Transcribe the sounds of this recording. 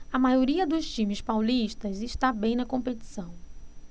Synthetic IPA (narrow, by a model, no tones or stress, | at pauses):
ɐmajoɾiɐd̪ʊst͡ʃĩmɪspawliʃt̪ɐziʃt̪abẽj̃nɐkõmpeti̥sɐ̃w̃